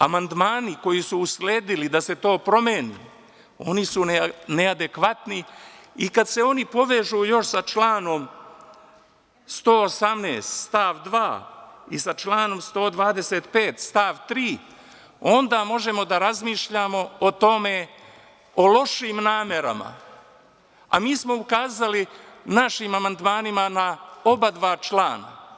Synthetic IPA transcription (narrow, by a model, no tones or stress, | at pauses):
amand̪maːniko̞jisuːsleːd̪ilid̪ase̞t̪o̞ːpɾo̞meni | o̞nisunead̪e̞kʋat̪niikad̪se̞o̞nipo̞ʋe̞ʒuːjo̞ʃsat͡ʃlaːno̞m | st̪o̞ːosamnḛːst̪st̪aːʋd̪ʋaːisat͡ʃlaːno̞mst̪o̞ːd̪ʋaːd̪e̞seːt̪pe̞ːt̪st̪aːʋt̪ɾiː | o̞nd̪aːmo̞ʒe̞mo̞d̪aɾazmiːʃʎaːmo̞ot̪o̞me̞ | olo̞ʃiːmnaːme̞ɾa̰ma̰ | a̰miːsmo̞ukaːzali | naʃimamand̪maːnimanao̞bad̪ʋaːt͡ʃlaːna̰